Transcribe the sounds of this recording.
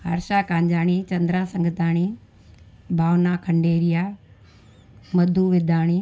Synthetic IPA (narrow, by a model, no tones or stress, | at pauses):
ɦɐ̰ɾʃaːkaːɲd͡ʑaːɽ̃it͡ɕɐ̃nd̪ɾasɐ̃ŋɡət̪aːɽ̃iː | bʱaːʋnakʰɐ̃ɳɖeːɾijaː | mɐd̪ʱuːʋɪd̪ʱaːɽ̃iː